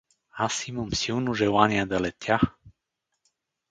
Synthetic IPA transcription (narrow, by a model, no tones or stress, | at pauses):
asiməmsiwnuʒɛwaniad̪əlɛt̪ʰja